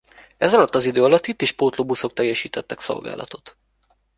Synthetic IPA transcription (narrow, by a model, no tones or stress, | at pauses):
ɛzɒlɒt̪ːɒzid̪øːɒlɒt̪it̪ːeːʃpoːt̪lobuso̞k̚t̪ɛjːɛʃiːt̪ɛt̪ːɛkso̞̰lɡa̰ːlʔɒ̰t̪o̞t̪